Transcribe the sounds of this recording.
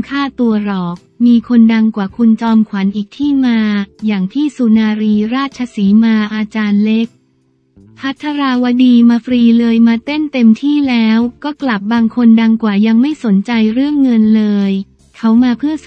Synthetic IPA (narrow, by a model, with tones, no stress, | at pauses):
kʰaː˥˩t̪u˧ɐɾɔː˨˩k̚miː˧kʰo˧nda˧ŋkwaː˨˩kʰu˧nt͡ɕɔː˧mkʰwa˩˦nʔiː˨˩k̚t̪ʰiː˥˩maː˧jaː˨˩ŋt̪ʰiː˥˩suː˧naː˧ɾiː˧ɾaː˥˩t̪̚t͡ɕʰa˧siː˩˦maː˧ʔaː˧t͡ɕaː˧nle˦˥k̚ | pʰa˦˥t̪ʰːa˧ɾaː˧wa˦˥diː˧maː˧fɾiː˧lɤː˧jmaː˧t̪e˥˩nt̪e˧mt̪ʰiː˥˩lɛː˦˥wkɔː˥˩kla˨˩p̚baː˧ŋkʰo˧nda˧ŋkwaː˨˩ja˧ŋma˥˩jso˩˦nt͡ɕa˧jɾɯ˥˩əŋːɤ˧nlɤː˧j | kʰa˦˥wmaː˧pʰɯ˥˩ə